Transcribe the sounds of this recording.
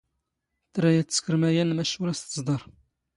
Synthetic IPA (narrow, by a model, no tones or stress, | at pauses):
t̪ːɾæjæt̪ːə̥skəɾmæjænmæʃuɾæst̪əzd̪ˤɑɾˤ